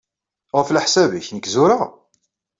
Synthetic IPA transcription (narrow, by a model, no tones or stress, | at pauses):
ʁəfləħsævəçnəkːzuɾa